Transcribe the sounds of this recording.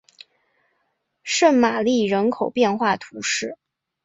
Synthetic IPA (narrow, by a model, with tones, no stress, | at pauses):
ʂə˥˩nma˨˩li˥˩ɻə˧˥nkʰo˨˩ʊpjɛ˥˧nxwa˥˩t̪ʰu˧˥ʂɻ̩˥˩